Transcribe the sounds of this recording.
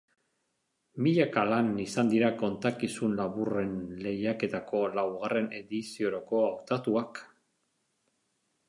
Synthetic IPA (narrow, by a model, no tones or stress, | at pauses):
miʎakalanisand̪iɾako̞nt̪akisunlaβure̞nle̞jake̞t̪ako̞lawɣare̞ne̞ðisioɾoko̞awt̪at̪uak